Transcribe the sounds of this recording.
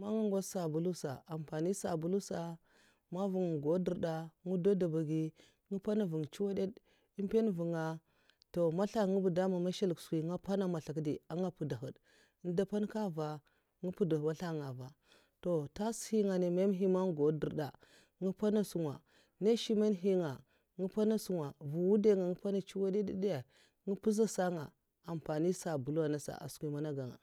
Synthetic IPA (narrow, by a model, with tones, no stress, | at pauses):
ma˦ŋu˦ŋɡo˦sa˨bu˨lu˦sa̰˨a˨m˨pa˨ni˦sa˨bu˨lu˦sa˨ | ma˦vu˨ŋ˨ɡo˨˦di˨ɾda˨ŋu˦do˦da˨ba˨ɡi˦ | ŋi˦pa˦na˦˨vu˨ŋ˨t͡ʃi˦wa˦de˦d | i˦m˦pe˦n˦vu˨ŋa˨ | to˨ma˦ɬa˦˨ŋu˦bu˨da˦ma˨ma˦ʃe˦lksi˨ŋa˦pa˦na˦ma˨ɬa˨k̬di˨a˦ŋɡa˦pu˨da˨ɦə˨d | n˦da˦pa˦nka˦va˨ | ŋi˦pu˦da˨wa˦ɬa˦ŋa˨va˨ | to˨ta˦shi˦ŋa˨ne˨me˦mɦi˦ma˦ŋ˦ɡo˨˦di˨ɾda˨ | ŋi˦pa˦na˦su˨ŋwa˨ | ne˦ʃi˦me˦nɦi˦ŋa˨ | ŋi˦pa˦na˦su˦ŋa˨vu˨wu˦de˦ŋa˨ŋi˦pa˦na˨t͡ʃi˦wa˦di˦di˦da˨ | ŋi˦pu˦za˦sa˦ŋa̰˨ | a˨m˨pa˨ni˦sa˨bu˨la˨na˦sa̰˨ʔa̰˨skʷi˨ma˦na˦ɡa˨ŋa̰˨